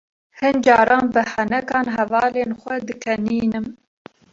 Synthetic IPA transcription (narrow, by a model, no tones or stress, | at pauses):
hɨnd͡ʒɑːɾɑːnbɨhɛnɛkɑːnɦɛvɑːleːnxʷɛd̪ɨkʰɛniːnɨm